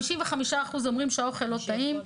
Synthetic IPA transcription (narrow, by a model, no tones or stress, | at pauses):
iʃinveχamiʃaːχuzo̞mʁimʃeao̞χelːo̞t̪aim